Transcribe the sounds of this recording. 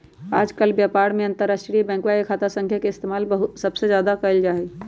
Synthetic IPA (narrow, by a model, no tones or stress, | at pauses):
aːd͡ʒkəlbjapaɾmeə̃nt̪əɾːasʈɾibɛ̃ːŋkwaekʰat̪asə̃ŋkʰjakeɪst̪emaːlbəɦusəbsed͡ʒjaːd̪akəəld͡ʒaːɛ